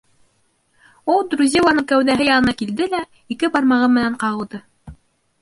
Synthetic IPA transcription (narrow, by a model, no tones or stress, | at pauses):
ulˠd̪ɾuzʲilˠɑnɤŋkæwðæɦɘjɑnɤ̆nɑkild̪ɘlæ | ikɘbɑɾmɑʁɤmɘ̆næɴqɑʁɤ̆lˠd̪ɤ